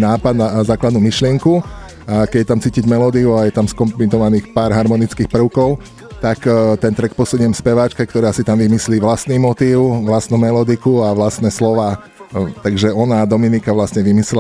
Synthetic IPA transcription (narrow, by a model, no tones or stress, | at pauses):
naːpad̪nazaːklad̪numiʃlɪɛŋku | akɛɟɛt̪amt͡siːciɟmɛlɔd̪iuajɛt̪amskɔmplinɔʋaniːxpaːɾɦaɾmɔnit͡skiːxpr̩ʊkɔʊ | t̪akt̪ɛnt̪ɾɛkpɔsuɲʊjɛmspɛʋaːt͡ʃkɛkt̪ɔɾaːsit̪amʋimisliːʋlast̪nimɔt̪iːʊʋlast̪numɛlɔd̪ikuaʋlast̪nɛslɔʋaː | t̪aɡʒɛɔnad̪ɔminikaʋlast̪ɲɛʋimislɛ